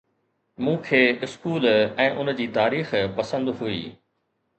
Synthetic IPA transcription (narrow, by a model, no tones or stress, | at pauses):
mũːkʰeːɪskuːlɛ̃ːʔʊnd͡ʑiːt̪aːɾiːxpɐsə̃nd̪ɦuḭː